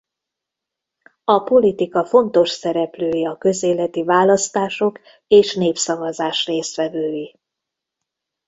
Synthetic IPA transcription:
ɒpo̞lit̪ikɒfo̞nt̪o̞ʃsɛɾɛpløːjiɒkø̞zeːlɛt̪ivaːlɒst̪aːʃo̞k | eːʃneːpsɒvɒzaːʃreːst̪ʋɛvøːji

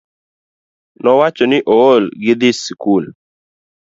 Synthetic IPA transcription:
nɔwat͡ʃɔnɪʔoolɡɪd̪ɪskul

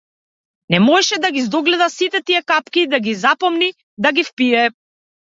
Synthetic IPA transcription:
nɛmɔɛʃɛd̪aɡizd̪ɔɡlɛd̪asit̪ɛt̪iɛkapkid̪aɡizapɔmni | d̪aɡifpiɛ

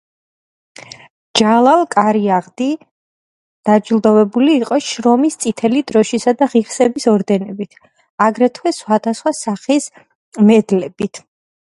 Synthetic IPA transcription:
d͡ʒalˠalˠkʼaɾiaʁd̪i | d̪̥ad͡ʒilˠd̪ɔvɛbuliːqʼɔʃɾɔmist̪sʼit̪ʰɛlid̪ɾɔʃisad̪aʁiχsɛbisɔɾd̪ɛnɛbit̪ʰ | aɡɾɛt̪ʰwɛsχwad̪̥asχwasaχis | mɛd̪lɛbit̪ʰ

